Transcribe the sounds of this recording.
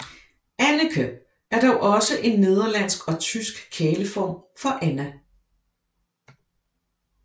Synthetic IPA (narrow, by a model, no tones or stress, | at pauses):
ænəkʰø̥ | æɐd̥ɒʊʔɒ̽səʔe̝nːe̝ð̞ˠɐlæn̰sɡ̥ɒ̽t͡sʰysɡ̥kʰeːləfɒ̰ːmfɒ̽ʔænæ